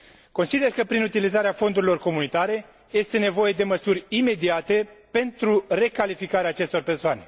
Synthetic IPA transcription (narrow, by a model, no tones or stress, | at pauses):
ko̞nsid̪e̞rkəpɾinut̪ilizaɾeafo̞nd̪uɾilo̞rko̞munit̪aɾe̞ | je̞st̪e̞ne̞vo̞je̞d̪e̞məsurʲime̞d̪iat̪e̞pe̞nt̪ɾure̞kalifikaɾeaːt͡ʃe̞st̪o̞rpe̞rsoane̞̰